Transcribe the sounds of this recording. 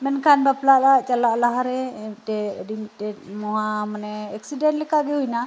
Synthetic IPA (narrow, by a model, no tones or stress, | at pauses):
mɛnkanbaplaʔlaʔt͡ʃalaʔlaɦaɾɛtɛdimitɛt̚moɦamanɛɛksidɛnlɛkaɡɛuina